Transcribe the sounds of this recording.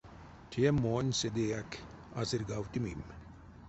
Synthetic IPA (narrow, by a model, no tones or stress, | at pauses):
tʰijemːoːnʲsed̪ejak | asiɾɡawt̪imim